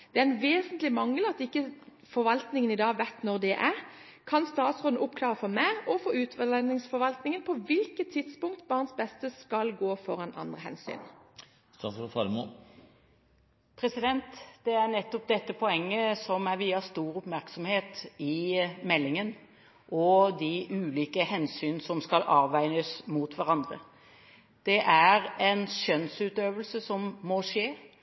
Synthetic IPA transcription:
d̪̥ɛæʁɛnʋeːsənt̪lɪmɑŋːəlɑt̪̚d̪ɪkːə | fɔɾʋɑlt̪nɪŋənɪd̪ɑːʋæt̪nɔʁd̪ɛʔæʁ | kʰɑnst̪ɑːt̪sʁʊnnəʔʊpkʰlɑːʁəfɔmæɔfɔːʉːt̪ʋəlɛnɪŋsfɔɾʋɑlt̪nɪŋənpʰɔʋɪlkət̪ʰːɪd̪spʊŋkt̪bɑːʁnsbɛst̪əskɑlɡoːfɔɾɑnɑ̰nd̪ʁəhɛ̰nsy̰ːn | t̪fɑmo | pʰɾɛsɪd̪ɛnt̪d̪̥ɛæʁnɛt̪ːɔp̚d̪ɛt̪ːəpʰɔɛŋːəsɔmæɾʋiːɑst̪uːɾʊpmæʁksɔmheːt̪ɪmɛlːɪŋən | ʔɔd̪ɪʔʉːliːkəhɛnsyːnsɔmskɑlʔɑːʋæɪnəsmut̪ʰʋæʁɑnd̪ʁə̰ | d̪̥ɛʔæɾɛnʃœnsʉːt̪øːʋəlsəsɔmːɔʂeː

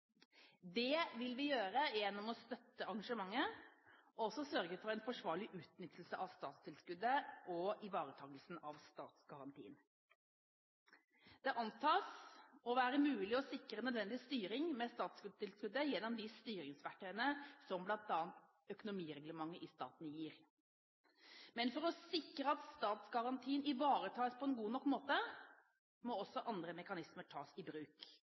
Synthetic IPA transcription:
d̪ɛʋɪlʋɪjøːɾəjɛnːɔmɔst̪œt̪ːəɑɾɡɑʂəmɑŋːə | ɔsɔsœɾɡəfɔæɪnfɔʂʋɑːɭɪʔʉːt̪nʏt̪ʰːəl̩səʔɑʋst̪ɑːt̪st̪ʰɪlskʉd̪ːəʔɔɪʋɑːɾət̪ʰɑːɡəlsn̩ɑʋst̪ɑ̰ːt̪sɡɑɾɑnt̪ʰḭːn | d̪̥ɛʔɑnt̪ʰɑːsɔʋæːɾəmʉːlɪɔsɪkɾənœd̪ʋɛnd̪ɪst̪yːɾɪŋmɛst̪ɑːt̪skʉd̪t̪ʰɪlskʉd̪ːəjɛnːɔmd̪ɪst̪yːɾɪŋsʋæʈʰœənəsɔmblɑnt̪ɑːnt̪ | œkʊnʊmiːɾɛɡləmɑŋːəʔɪst̪ɑ̰ːt̪n̩jiːɾ | mɛnfɔɾɔsɪkɾəɑt̪st̪ɑːt̪sɡɑɾɑnt̪ʰiːnɪʋɑːɾət̪ʰɑːəspʰɔɛnɡuːnɔkːmoːt̪ə | mɔɔsːɔʔɑnd̪ɾəmɛkɑnɪsməʈʰɑːsɪbɾʉːk

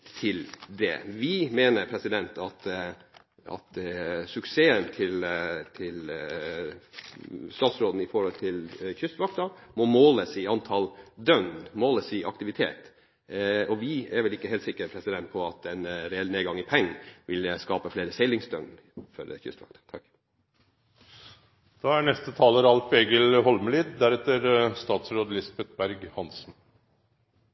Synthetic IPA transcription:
t̪ʰɪld̪ɛ̰ʋɪmeːnəɾpʰɾɛsɪd̪ɛnt̪ɑt̪ | ɑ̰t̪sʉkseːənt̪ʰɪlt̪ʰɪl | st̪ɑːt̪sɾoːd̪n̩ɪfɔɾhɔlt̪ʰɪlçʏst̪ʋɑk̚t̪ɑmɔmoːləsɪɑnt̪ʰɑld̪œnd̪moːləsɪʔɑkt̪ɪʋɪt̪ʰḛːt̪ | ɔʋɪæɾʋɛlɪkːəheːlt̪sɪkːəɾpʰɾɛsɪd̪ɛnt̪̚pʰɔɑt̪ɛnɾɛɛlneːɡɑŋːɪpʰɛŋːʋʔɪlskɑːpəfleːɾəsɛɪlɪŋsd̪œ̰n | fɔ̰ɾçʏ̰st̪ʋɑ̰kt̪ɑ̥t̪ʰɑk | d̪̥ɑːæɳɛst̪ət̪ʰɑːləɾɑlfeːɡəlhɔlməlɪːd̪d̪æɾɛt̪əɾst̪ɑːt̪sɾoːd̪əlɪsbɛt̪̚bæɾɡhɑnsn̩

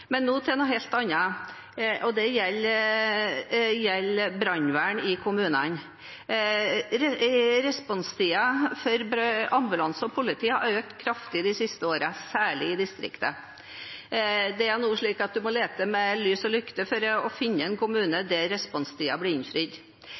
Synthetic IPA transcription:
mɛnːuːt̪ʰɛnʊɦɛlt̪ɑnːɑ | ʔɔd̪ɛjɛlː | jɛlːbɾɑnʋæːɳɪkʰʊmʉːnən | ɾɾɛspɔnst̪ʰiːɑfɔɾbɑmbʉlɑnsɔpʰʊlɪt̪ʰiːhɑœʏk̚t̪kʰɾɑft̪ɪd̪ɪsɪst̪əoːɾəsæːɭɪɪd̪ɪst̪ɾɪ̰kt̪ə | d̪ɛæɾnuːʂɭiːkɑt̪̚d̪ʉmɔleːt̪əmɛlyːsɔlʏkt̪əfɔɾɔfɪnːəɛnkʊmʉːnəd̪ɛɾɛspɔnst̪ʰiːɑblɪɪnfɾiːd̪

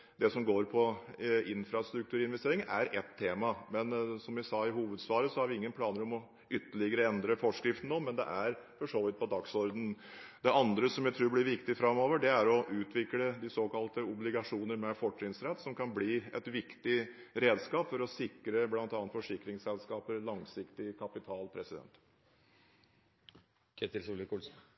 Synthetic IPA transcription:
d̪ɛsɔmɡoːɾpʰɔɪnfɾɑst̪ɾʉk̚t̪ʰʉːɾəɪnʋɛst̪eːɾɪŋnæɾʔɛt̪ʰːeːmɑmɛnsɔmʋɪsɑːɪɦuːʋəd̪sʋɑːɾəsɔhɑɾʋɪɪŋːənpʰlɑːnəɾɔmɔ | ʏt̪ːəɭɪɡəɾəɛnd̪ɾəfɔʂkɾɪft̪n̩ːɔmɛnd̪ɛ̰ʔæɾfɔʂoːʋɪt̪̚pʰɔd̪ɑksɔɾd̪n̩d̪ɛʔɑnd̪ɾəsɔmjæɪt̪ʰɾʉːɾblɪɾʋɪkt̪ɪfɾɑmːoːʋəɖɛæɾɔʔʉːt̪ʰʋɪkləd̪ɪsoːkɑlt̪əʊblɪɡɑʂuːnəɾmɛfɔʈːɾɪŋsɾɛt̪ːsɔmkʰɑnbliːɛ̰t̪ʋɪkt̪ɪɾeːd̪skɑːpfɔɾɔsɪkːɾəblɑnt̪ɑːnfɔʂɪkːɾɪŋsɛlskɑːpəɾlɑŋsɪkt̪ɪkʰɑpɪt̪ʰɑːlpʰɾɛsɪd̪ɛ̰nt̪ | kʰet̪ɪlsulɪkuːl

